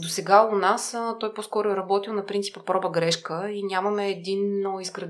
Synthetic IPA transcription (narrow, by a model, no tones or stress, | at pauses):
d̪osɛɡaʊnast̪ɔjpɔskɔɾʊɛɾɐbɔt̪ilˠnɐpɾintsi̥pəpɾɔbəɡɾɛʃkəinʲjamɐmɛːd̪inoizɡɾɐ